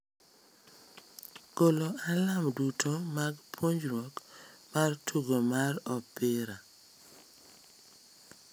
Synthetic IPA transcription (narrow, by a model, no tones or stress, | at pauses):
koloalamdutʰomaɡpʰwoɲd͡ʒɾwɔkmartʰuɡomarɔpːɪɾa